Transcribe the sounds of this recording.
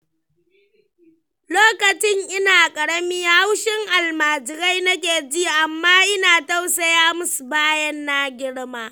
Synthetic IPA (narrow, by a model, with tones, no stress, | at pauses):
loː˦kɐ˨t͡ʃɪ˦ŋʔɪ˦naː˨kʼɐ˨ɽɐ˦miː˦ja˦ha˦wʃɪ˦ŋʔa˨lmaː˨d͡ʒɪ˨ɾa˦jnɐ˦k̬ʲeː˨d͡ʒiː˦ʔa˨mːaː˦ʔɪ˦naː˨ta˦wsɐ˦jaː˦mʊ˦su˨baː˦jɐ˦nːa˦ɡʲɪ˦ɽmaː˦